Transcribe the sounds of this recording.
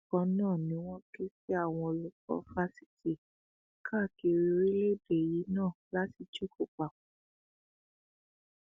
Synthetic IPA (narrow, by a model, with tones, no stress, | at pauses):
kɔ̃˧nãː˦˨nĩ˨˦w̃ɔ̃˦ke˦si˦a˦˨w̃ɔ̃˧o˨lu˨kɔ̰˧˦fa˧si̥˦ti˨ | kʰa˦˨ki˧ɾi˧ɾi˦le˦˨be˨ji˨˦nãː˦˨la˦ti˧d͡ʒu˦kʰo˨k͡pa˨